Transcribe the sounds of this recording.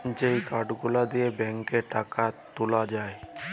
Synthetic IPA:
d͡ʑejkaɖɡulad̪ijebɛŋkeʈakat̪ulad͡ʒae

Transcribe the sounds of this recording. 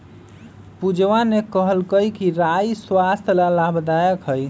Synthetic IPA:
pud͡ʒʋanekəɦəlkəjkiɾajswast̪ʰlalabd̪ajəkɦəj

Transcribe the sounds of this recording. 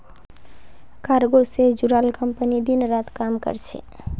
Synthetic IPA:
kaɾɡosed͡ʒuɾaːlkəmpənid̪inɾat̪kamkə̰ɾt͡ʃʰɛ̰

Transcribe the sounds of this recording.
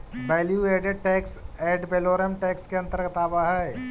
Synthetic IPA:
bɛːljueːɖeɖ̚ʈɛːkseːɖpeːloːɾəmʈɛːkskeɐ̃nt̪əɾkɐt̪aːbaɦɛː

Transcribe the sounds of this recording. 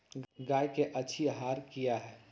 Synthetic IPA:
ɡaːjkeʔɐtːʃʰiɦaːɾkijaɦɛː

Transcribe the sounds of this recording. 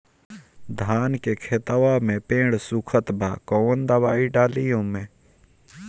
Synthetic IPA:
d̪ʱaːnkekʰeːt̪əʋamẽpẽːɽsukʰət̪bʱa̰ːkoːənd̪əʋaːiɖaːlijõmẽː

